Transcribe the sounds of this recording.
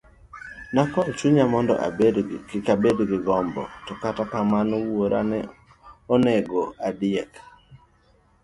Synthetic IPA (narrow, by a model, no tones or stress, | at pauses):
nakɔt͡ʃuɲamɔndɔ̰ʔa̰edkabedɡɪɡɔmbɔ̰tɔkatakamanowoɾʔa̰nɛ | oneɡoadɪɛk